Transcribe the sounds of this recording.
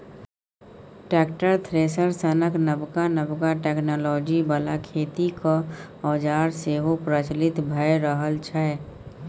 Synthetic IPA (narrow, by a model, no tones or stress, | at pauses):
ʈɛːkʈəɾt̪ʰɾesəɾsənəknəbkanəbkaʈeknɔlɔːd͡ʒibəlakʰeːt̪iko | ɔːd͡ʒaːɾseɦopɾət͡ʃlɪt̪bʱəeɾəɦəlt͡ʃʰɛ